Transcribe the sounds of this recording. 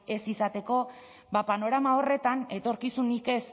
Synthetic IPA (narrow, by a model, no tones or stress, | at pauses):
e̞sisat̪e̞ko̞ | bapano̞ɾamao̞re̞t̪ane̞t̪o̞ɾkisunike̞s